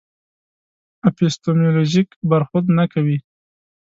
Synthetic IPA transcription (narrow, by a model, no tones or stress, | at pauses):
apɪst̪omijoloʒikbaɾxʊɾd̪nakawi